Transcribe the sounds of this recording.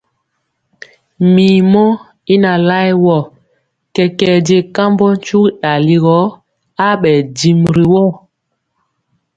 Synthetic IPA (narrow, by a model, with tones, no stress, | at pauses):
miː˨mɔ˦ | i˦na˨la˦jwɔ˦˨ | kɛ˨kɛ˨de˨ka˦mbɔ˦n̩˦t͡ʃu˦kɗa˨li˦ɣɔ˦ | a˦ɓɛ˨di˨mɾi˨wɔ˦˨